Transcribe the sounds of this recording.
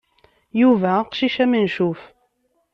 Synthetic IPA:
juvæqʃiʃæmənʃuf

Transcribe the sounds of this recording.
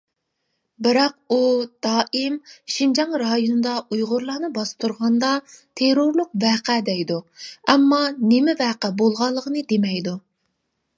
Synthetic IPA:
bɪɾɑq̚ud̪̥ɑːʔimʃind͡ʒɑŋɾɑjonɨd̪ɑʔujʁʊɾlˠɑːnɨbɑst̪ʰuɾʁɑnd̪ɑt̪ʰeɾoɾlˠʊqvæːqæd̪ɛjd̪uɛmːɑnɪmɪvæːqæbolˠʁɑlˠːəqənɨd̪emɛjd̪u

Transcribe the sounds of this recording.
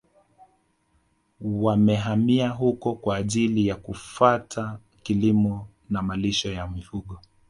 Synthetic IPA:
wamɛɦamiaɦukɔkwaːʄilijakufatʰa | kilimɔ | namaliʃɔjamifuɠɔ

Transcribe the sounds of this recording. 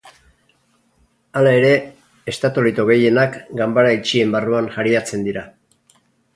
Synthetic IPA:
alae̞ɾe̞ː | st̪at̪olit̪o̞ɣe̞je̞nakɡambaɾait͡ʃie̞mbaruanʝaɾiat͡se̞nd̪iɾa

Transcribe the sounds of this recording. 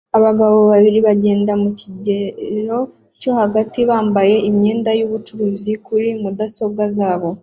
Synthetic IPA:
aβaɡaβo̞βaβiɾiβaɟe̞ːndamuciɟeɾo̞ | co̞haɡatiβaːmbaje̞ʔimɲe̞ːndajuβut͡ʃuɾuzikuɾimudaso̞ɡazaːβo̞

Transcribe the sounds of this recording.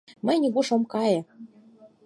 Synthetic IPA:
mɘ̆jnʲiɡuʂɤ̆mkɑjɤ̆

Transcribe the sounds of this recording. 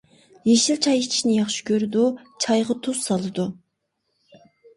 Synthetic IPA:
jeʃilt͡ʃʰɑjit͡ʃʰi̥ʃnɪjɑχʃi̥kʲʰøɾɪd̪ut͡ʃʰɑjʁɑt̪ʰussɑlˠɨd̪u

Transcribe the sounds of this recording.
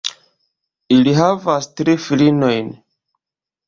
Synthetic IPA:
iliɦavastɾifilino̞jn

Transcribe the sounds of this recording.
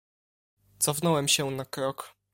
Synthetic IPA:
t̪sɔfnɔwɛmɕɛnakɾɔk

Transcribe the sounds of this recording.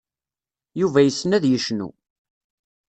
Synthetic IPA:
juvæjəsːnæðjəʃnṵ

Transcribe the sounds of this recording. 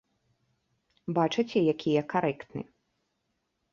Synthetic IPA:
bat͡ʂɨt͡sʲɛjakʲʰijɐkaɾɛkt̪nɨ̰

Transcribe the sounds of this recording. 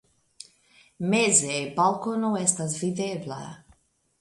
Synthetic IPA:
mezebalˠkonɔɛst̪as̬vid̪eːbla̰ja̰

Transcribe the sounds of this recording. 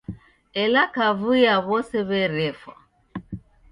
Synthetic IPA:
ɛlakavujaβɔsɛβɛɾɛfa̰

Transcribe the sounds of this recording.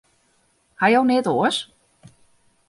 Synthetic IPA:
hajownɪːtoəs

